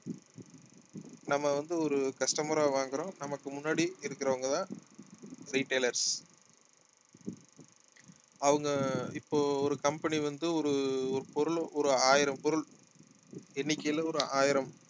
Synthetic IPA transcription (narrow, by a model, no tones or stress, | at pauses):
nɐmːɐʋɐnd̪ɯɔɾɯkɐsʈɐmɐɾaːʋaːŋɡɪɾõːnɐmɐkːɯmʊnːaːɽiɪɾɯkːɪɾɐʋɐŋɡɐðãː | ɾiːʈːeːlɐɾs | ɐʋɐŋɡɐɪpːoːɔɾɯkɐmpɐniʋɐnd̪ɯɔɾɯɔɾɯpɔɾɯɭɔɾɯaːjɪɾɐmpɔɾɯɭ | ɛnːɪkʲːɐjɐlɐɔɾɯaːjɪɾɐm